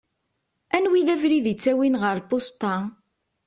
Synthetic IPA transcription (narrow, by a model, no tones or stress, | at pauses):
ænwiðævɾiðit͡sːæwinʁəɾpost̪ɑ